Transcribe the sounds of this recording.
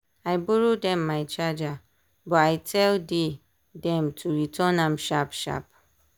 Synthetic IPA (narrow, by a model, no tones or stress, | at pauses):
aɪboɹodɛ̃mːaɪt͡ʃad͡ʒa | bɔaɪtʰɛlde | dɛ̃mtʰuɹitʰɔnãmʃapʃa̰p̚